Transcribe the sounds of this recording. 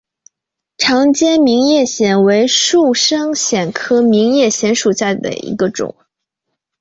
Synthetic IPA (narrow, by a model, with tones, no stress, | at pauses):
ʈ͡ʂʰɑ˧˥ŋt͡ɕjɛ˥nmi˧˥ŋjɛ˥˩ɕjɛ˨˩nwe˧˥ɪʂu˥˩ʂɤ˥ŋɕjɛ˨˩nkʰɤ˥mi˧˥ŋjɛ˥˩ɕjɛ˧˥nʂu˨˩ɕja˥˩d̪ə̰˩ḭ˧˥ɡə˧ʈ͡ʂʊ̰˨˩˦ŋ